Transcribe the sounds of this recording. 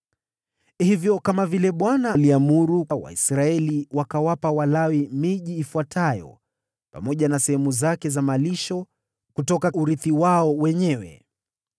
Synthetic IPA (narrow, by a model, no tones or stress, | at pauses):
hivjɔkamavilɛɓwanaliamuɾuwa̰ḭsɾaɛliwakawapawalawimiʄiːfuatʰajɔ̰ | pa̰mɔʄanasɛhɛmuzakɛzamaliʃɔ | kutɔkauɾiθiwaɔwɛɲɛwɛ̰